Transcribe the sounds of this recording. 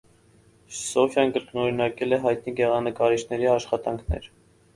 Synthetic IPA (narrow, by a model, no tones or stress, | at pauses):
sɔfjɑnkəɾknɔɾinɑkɛlɛɦɑjt̪̚niɡɛʁɑnəkɑɾiʃnɛɾiɑʃχɑt̪ɑŋkʰnɛ̰ɾ